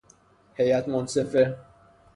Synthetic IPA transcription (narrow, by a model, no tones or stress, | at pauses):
hejæt̪monsefe